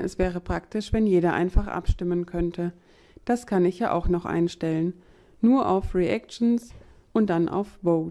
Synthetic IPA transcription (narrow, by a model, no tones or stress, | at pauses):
ʔɛ̰sv̥ɛːʁ̞əpʁ̥aktɪʃv̥ɛnjeːɾɐʔa̰ɪnfaχʔa̰pʃtɪmənkʰœntʰə | d̥askʰanɪçjaːʔa̰ʊxnɔχʔa̰ɪnʃtɛlənː | uːɐʔaʊfʁiʔɛk̚ʃn̩s | ʔʊnt̚d̥anʔa̰ʊfvoʊt